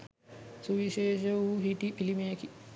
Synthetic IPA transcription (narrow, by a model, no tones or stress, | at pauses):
suʋiʃeːʃɐuɦiʈ̪ipilimijɐki